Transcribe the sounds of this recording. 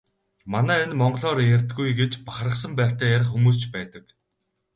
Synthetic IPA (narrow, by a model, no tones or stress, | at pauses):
manæːenmɔɴɢ̆ɮɔːɾjærʲt̪ɡujɡet͡ɕpaχrə̆χsə̆mpæːr̥ʲt̪æːjaɾə̆χxːumuːs̬t͡ɕpæːt̪ə̆k